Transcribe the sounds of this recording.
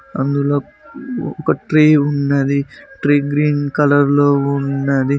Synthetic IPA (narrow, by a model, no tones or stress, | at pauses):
ɐnd̪uloː | ɔkɐʈɾeːunːɐd̪iʈɾeːɡɾiːnkɐlɐɾloːunːad̪i